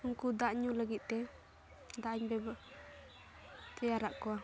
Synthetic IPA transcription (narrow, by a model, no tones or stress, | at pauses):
ŋkud̪aʔɲuləɡit̪̚t̪ɛ | d̪aʔɲbɛb | t̪ɛjaɾaʔkɔwa